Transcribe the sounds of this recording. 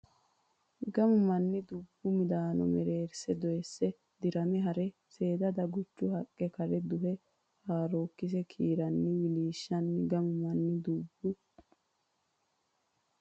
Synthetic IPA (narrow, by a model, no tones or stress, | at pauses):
ɡɐmʊmɐnːɪd̪ʊbːʊmɪd̪aːnɔ̰mɛɾeːɾsɛd̪ɔjɛsːɛ | d̪̥ɪɾɐmɛɦɐɾɛ | se̞ːd̪ɐd̪ɐɡʊt͡ʃːʊhɐkʼːɛkɐɾɛd̪ʊɦɛ | haːɾoːkːɪs̬ɛkʰiːɾɐnːɪwɪliːʃːɐnːɪɡɐmʊmɐnːɪd̪ʊbːʊ